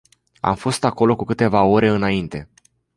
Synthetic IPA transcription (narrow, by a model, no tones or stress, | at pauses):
a̰mfo̞st̪ako̞lo̞kukɨt̪e̞vao̞ɾe̞ɨnaint̪e̞